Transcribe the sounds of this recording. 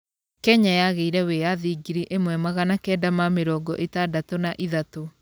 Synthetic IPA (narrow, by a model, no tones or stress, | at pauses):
kɛɲajaɣeiɾɛwejaðiɡiɾiʔemwɛmaɣanakɛːdamameɾɔːɡɔʔetadatonaʔiðato